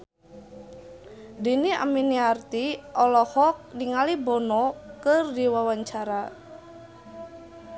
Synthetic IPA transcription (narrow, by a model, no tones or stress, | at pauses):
dinia̰miniart̪iʔɔlɔhɔk̚niŋalibɔnɔkɨrdiwawaɲt͡ʃaɾa